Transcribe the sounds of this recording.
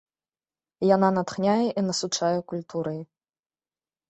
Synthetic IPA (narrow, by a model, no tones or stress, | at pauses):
jananat̪xnʲajɛʔinɐsut͡ʂajɛkulʲt̪ʰuɾɐj